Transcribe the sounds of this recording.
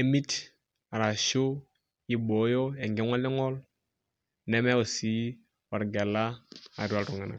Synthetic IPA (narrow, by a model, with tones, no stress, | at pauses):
e˨˦mi˦t | a˨ɾa˨ʃo˦ | i˦bo˨jo˦e˨ŋɡɛ˦ŋa˦li˦ŋo˦l | ne˦me˦wu˨si˦ | wa˨ɾɡe˨la˦a̰˨ɾi˦a˨ltu˨ŋɛ˨na̰˨k